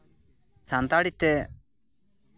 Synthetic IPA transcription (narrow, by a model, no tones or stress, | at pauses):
sãnt̪aːɽit̪ːe